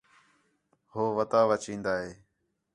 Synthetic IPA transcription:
hoːʋət̪aːʋət͡ʃĩːnd̪aːɦeː

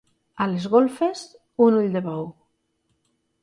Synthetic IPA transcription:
alezɣolfes | unuʎd̪eβɔw

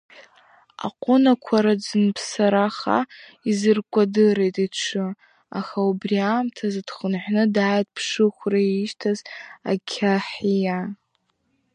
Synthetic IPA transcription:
a̰qʷʼʊnakʷʰaɾad͡zɨnpʰsaɾaχa̰ | izɨrkʷʼadɨɾejtʼaʈ͡ʂʰɨ | a̰χaubriamtʰazad̥χənħʷnɨdaːjt̚ʼpʰʂɨχʷraiʃtʰaza̰kʲʰaħija

